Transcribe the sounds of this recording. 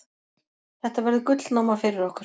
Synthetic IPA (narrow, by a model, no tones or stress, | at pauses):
θɛht̪avaɾðɪkʏt̪lnaːwmafɪɾɪɾɔhkʏɾ̥